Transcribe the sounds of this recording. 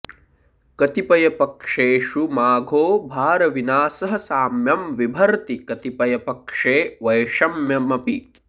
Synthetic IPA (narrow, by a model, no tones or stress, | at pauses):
kɐt̪ipɐjɐpɐkʂeːʂumaːɡʱoːbʱaːɾɐʋinaːsɐɦɐ̆saːmjɐmʋibʱɐɾt̪ikɐt̪ipɐjɐpɐkʂeːʋɐjʂɐmjɐmɐpi